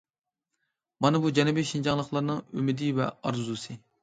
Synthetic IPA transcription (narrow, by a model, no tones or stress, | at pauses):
mɑnɨbud͡ʒɛnɛbɪʃind͡ʒɑŋlˠəχlˠɑɾnɨŋymɪd̪ɪvɛ̰ɑɾzusɨ